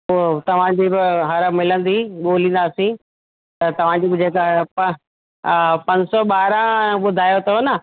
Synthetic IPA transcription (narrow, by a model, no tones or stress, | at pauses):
poːt̪ɐʋ̤ãd͡ʑiːbɪɦɐɾəmɪlə̃nd̪iɓoːlĩːn̆d̪aːsĩ | t̪ɐt̪ɐʋ̤ãd͡ʑiːbɪd͡ʑeːkɦpɐ | pɐ̃ɲd͡ʑsɔɓaːɾə̃ɓʊd̪ʱaːjot̪ʰɐonə